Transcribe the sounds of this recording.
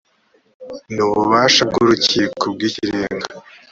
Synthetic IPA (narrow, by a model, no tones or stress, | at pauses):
nuβuβaːʃab̚ɡuɾuciːkʰobɡiːciɾeːŋɡa